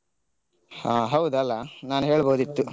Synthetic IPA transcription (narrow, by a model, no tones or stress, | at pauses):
haːɦɐwd̪ɐlːɐnaːnuɦe̞ːɭboːd̪it̪ːu